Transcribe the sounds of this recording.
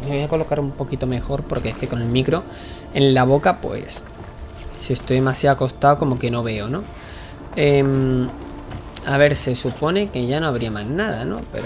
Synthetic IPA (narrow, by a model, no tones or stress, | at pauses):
me̞βo̞jako̞lo̞kaɾumpo̞kit̪o̞me̞xo̞ɾpo̞ɾke̞eske̞ko̞ne̞lmikɾo̞ | e̞̰nlaβ̞o̞kapwe̞̰sː | ie̞st̪o̞jðemasjako̞st̪aoko̞mo̞ke̞no̞β̞e̞ono̞ | em | aβe̞ɾse̞supo̞ne̞ke̞ʝano̞aβɾiamaznaðano̞̰pḛɾ